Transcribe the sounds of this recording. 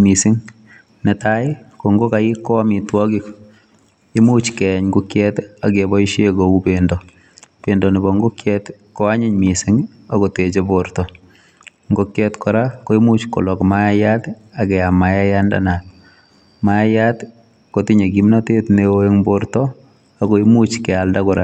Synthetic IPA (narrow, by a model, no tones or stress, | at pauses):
misɪŋ | netajkoŋɡokaikːɔamitwɔkɪk | imut͡ʃkɛɲɡukjɛtakebɔiʃekoupendɔ | pendɔnibɔŋɡokjɛt | koaɲɪɲmisɪŋ | akotet͡ʃeboɾtɔ | ŋɡokjɛtkɔɾakoimut͡ʃko̰lɔkmaajatakɛamajajanda̰nat | maajat | kotiɲekimnatetnewoeŋboɾtɔ | akoimut͡ʃkɛaldakʊɾa